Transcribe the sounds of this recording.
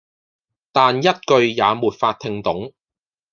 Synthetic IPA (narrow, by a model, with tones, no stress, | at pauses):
t̪aː˨njɐ˥t̚kɵ˧ɥjaː˨˧muː˨t̚faː˧t̚t̪ʰɪ˧ŋt̪ʊ˨˥ŋ